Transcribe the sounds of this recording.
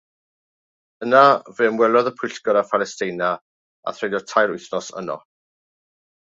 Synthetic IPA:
ənavɨmwɛlˠɔðəpʰʊɬkɔɾafalɛstɪjna | a̰θrejdɔtʰajɾʊjθnɔsə̰nɔ̰

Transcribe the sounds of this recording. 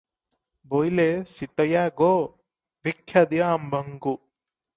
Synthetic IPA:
bojlesit̪ɐjaːɡoː | ʋikʰːjɐd̪jaːmbʱɐŋɡu

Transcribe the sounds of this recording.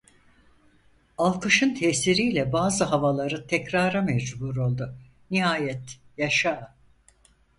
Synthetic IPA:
alˠkʰɯʃɯnt̪ʰɛsiɾijlʲɛbaːzɯɦavalˠaɾɯt̪ʰɛcɾaːɾamɛd͡ʒbuɾo̞lˠd̪ʊ | niɦaːjɛt̪jaʃaː

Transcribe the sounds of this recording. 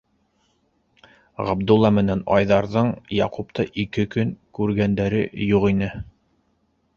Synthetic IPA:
ʁɑ̰bd̪ulˠːɑmɘ̆nænɑ̰jðɑɾðɤɴjɑqupt̪ɤʔikɘkɵŋkʉɾɡænd̪æɾɘ̰juʁinɘ

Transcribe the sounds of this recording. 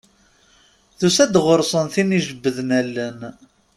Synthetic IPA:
ðusæd̪ʁoɾsˤənθiniʒəbːəðnælːən

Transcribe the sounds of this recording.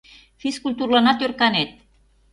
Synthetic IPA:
fiskult̪urlɑnɑt̪jørkɑnet̪̚

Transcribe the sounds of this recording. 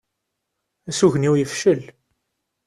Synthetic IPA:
æsuʝniwjəfʃəl

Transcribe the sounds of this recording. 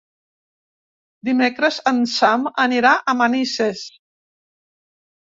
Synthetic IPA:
d̪imekɾəzənsaməniɾaʔəmənises

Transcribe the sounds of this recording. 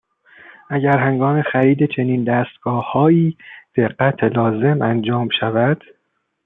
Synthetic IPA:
ʔæɟæɾɦeŋɡɒːme̞xæɾiːd̪et͡ʃʰe̞niːnd̪æːst̪ɡ̥ɒːhːɒːjiːd̪̥e̞ɢːæt̪ʰelɒːze̞mʔænd͡ʒɒːmʃævæd̪̥

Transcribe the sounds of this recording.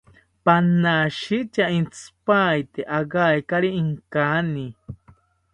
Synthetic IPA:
panaʃit͡ʃaint͡sɨ̥pajt̪eʔaɣajkaɾiːŋkani

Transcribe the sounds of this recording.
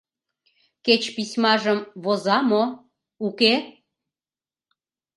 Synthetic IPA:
ket͡ɕpisʲmɑʒəmβozɑmo | uke

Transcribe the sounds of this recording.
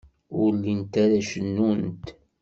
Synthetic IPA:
ʊɾlint̪aɾaʃənːunt̪

